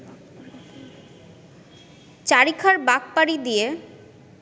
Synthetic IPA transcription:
t͡ɕaɾikʰaɾbak̚paɾid̪ije

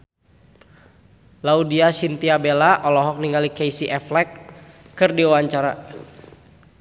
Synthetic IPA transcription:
laudiasint̪iabelaʔɔlɔɦɔk̚niŋalikejsiʔɛflɛkː | ɨrdiuwaɲt͡ʃaɾa̰

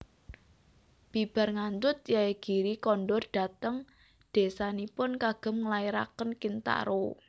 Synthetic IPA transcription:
b̥i̤b̥a̤rŋand͡ʒ̪ʊt̪̚jaeɡ̥i̤ɾikɔnɖɔrdɖ̥a̤t̪əŋ | d̪̥e̤sanipʊnkaɡ̥ə̤mŋəlaiɾa̰kənkint̪a̰ɾo

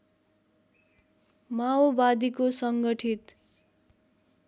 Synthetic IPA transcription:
maobad̪ikosʌŋɡʌʈʰit̪

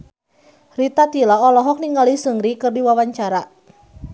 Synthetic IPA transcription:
rit̪at̪ilaɔlɔɦɔk̚niŋɡalisəŋɾikərdiwawaɲt͡ʃaɾa

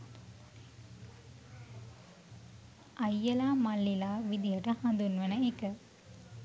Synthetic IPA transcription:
ʔɐjːɐlaːmɐlːilaːʋid̪ijɐʈəhɐ̃nd̪unʋenəekə

